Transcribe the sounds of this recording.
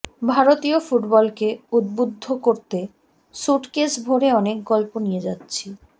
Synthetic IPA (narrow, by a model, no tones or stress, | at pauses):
bʱaɾot̪iofuʈbɔlkeud̪̚bud̪ʱːokoɾt̪e | ʃuʈkesbʱoɾeɔnek̚ɡɔlponijed͡ʑatːɕʰi